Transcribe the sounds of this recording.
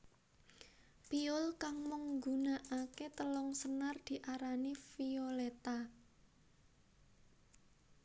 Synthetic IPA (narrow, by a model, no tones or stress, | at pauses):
piʊlkaŋməŋɡunaʔaket̪əlɔŋsənard̪̥i̤ʔaɾanifiolet̪a